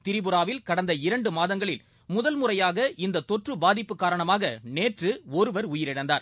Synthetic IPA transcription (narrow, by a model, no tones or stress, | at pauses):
t̪ɪɾɪbɯɾaːʋɪlkɐɽɐnd̪ɐɪɾɐɳɖɯmaːðɐŋɡɐɭɪl | mʊðɐlmʊrɐjaːɣɐɪnd̪ɐt̪ːɔʈrɯbaːðɪpːɯkːaːɾɐɳɐmaːɣɐneːʈrɯɔɾɯʋɐɾʊjɪɾɪɽɐnd̪a̰ːɾ